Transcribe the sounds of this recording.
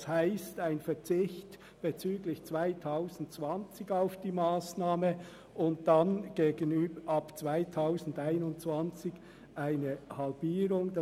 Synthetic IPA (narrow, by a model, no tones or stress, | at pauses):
shaɪstaɪnfɛt͡sɪçt | b̥et͡syːɡlɪçt͡svaɪtʰaʊzn̩tt͡svɑnt͡sɪɡaʊfd̥iːmaːsnaːmə | ʊnt̚d̥ɑnɡ̥eːɡənyːbəɑpt͡svaɪtʰaʊzn̩daɪnʊntt͡sv̥ɑnt͡sɪɡ̥ | ʔaɪnəhɑlbiːɾʊŋd